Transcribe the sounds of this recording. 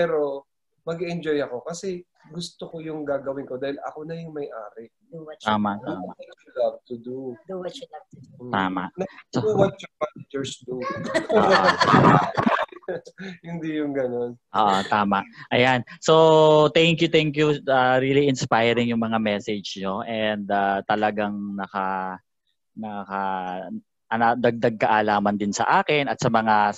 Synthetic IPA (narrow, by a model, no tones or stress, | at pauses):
pɛːɾo | mɐɡiɛnd͡ʒojɐko̞kɐsɛ | ɡʊst̪okojʊŋɡaːɡɐwɪnkod̪aːhɪlɐ̰konɐjʊŋmɐjʔaːɾɪ | d̪uwɐt̪aːmaʔdt̪ːma̰ɐt͡ʃulɐb̚t̪ud̪ud̪uwɐt͡ʃʊlɐb̚t̪t̪aːma̰ʔnɐsuwɐt͡ʃɔpanɐd͡ʒɛɹsd̪ṵ | ama | hɪnd̪ijʊŋɡɐnonʔoːʔot̪aːmaʔʔɐjansot̪ɛŋkjʊt̪ɛŋkjuaɾiliʔɪnspajɾɪŋjʊŋmɐŋamɛsɛd͡ʒɲoʔɛnd̪at̪ɐlɐɡaŋnɐka | nɐka | ʔɐnɐd̪ɐɡ̚d̪ɐɡ̚kɐʔaːlaːmɐnd̪ɪnsɐ̰ʔaːkɪnɐt̪sɐmɐŋa